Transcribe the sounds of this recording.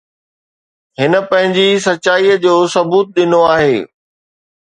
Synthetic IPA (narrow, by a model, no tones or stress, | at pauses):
ɦɪnə̆pɐ̃ɦɪ̃ɲd͡ʑisɐtːt͡ɕɕaːiːəd͡ʑoːsɐbuːt̪̚ɗɪnoaːɦḛː